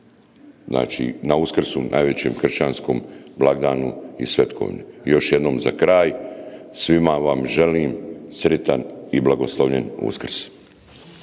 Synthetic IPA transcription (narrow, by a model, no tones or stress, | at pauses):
zna̰ːt͡ʃḭnauskr̩sunʔa̰ːjʋe̞t͡ɕe̞ːmxr̩ʃt͡ɕanskomblˠaɡd̪aːnuisʋe̞t̪kʰo̰ʋɲujo̞ʃje̞d̪no̞ːmzakɾaːjsʋimaʋamʒe̞liːmsɾit̪aniblˠaɡo̞slˠoʋʎenṵskr̩s